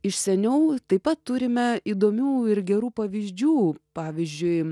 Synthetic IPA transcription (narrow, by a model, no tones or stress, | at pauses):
ɪʃsʲɛnʲɛʊt̪ɐɪpɐt̪tːʊɾʲɪmʲɛiːd̪oːmʲuːɪɾɡʲɛɾuːpɐʋʲiːzʲd͡ʒʲuːpɑːʋʲiːzʲd͡ʒʲʊɪ